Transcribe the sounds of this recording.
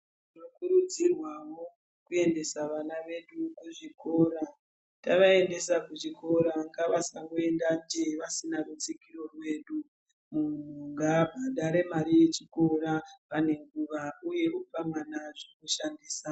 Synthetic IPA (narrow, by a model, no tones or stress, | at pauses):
inokuɾud͡zirwawo̞ | kue̞nde̞saʋanaʋe̞ɗukuʐiko̞ɾa | taʋae̞nde̞sakuʐiko̞ɾaŋɡaʋasaŋɡoe̞ndand͡ʒeʋasinarut͡sikiro̞rwe̞ːɗu | mun̤uŋɡabʱaɗaɾe̞maɾije̞t͡ʃiko̞rapane̞ŋɡuʋauje̞ʔup͡famanaʐekuʃandiːsa